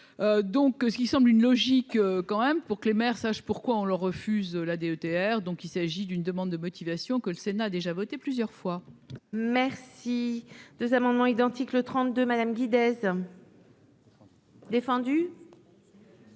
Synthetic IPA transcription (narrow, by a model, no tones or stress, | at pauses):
ød̪ɔ̃ksə̥kʲisɑ̃blynlɔʒikøkɑ̃mɛmpuʁkəlemɛʁsaʃpuʁkwaɔ̃lœʁːəfyzølad̪eøt̪eɛʁd̪ɔ̃kilsaʒid̪ynd̪əmɑ̃d̪ːəmɔt̪ʰivasjɔ̃kələsenaːd̪eʒavɔt̪eplyzjœʁfwa | mɛʁsid̪̥əzamɑ̃d̪mɑ̃id̪ɑ̃t̪iklət̪χɑ̃t̪̚d̪ømad̪amɡʲid̪ɛz | d̪efɑ̃d̪y